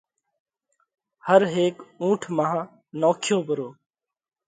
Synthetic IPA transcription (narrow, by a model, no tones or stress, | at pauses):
həɾɦeːkũːʈʰmaːã | noːkʰjoːbʱəɾoː